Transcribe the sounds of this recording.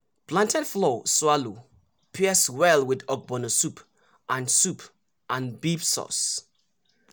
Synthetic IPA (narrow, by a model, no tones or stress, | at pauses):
pʰlãntʰɛdflɔswalu | pʰiɛswɛlwɪdɔɡ̚bɔnosupʰ | ʔãnsup | ʔãnbipsɔ̰s